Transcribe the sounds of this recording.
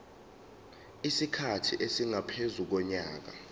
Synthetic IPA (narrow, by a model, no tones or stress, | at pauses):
isikʰatʰiʔesiŋapʰezuk̬ɔɲaːk̬a̰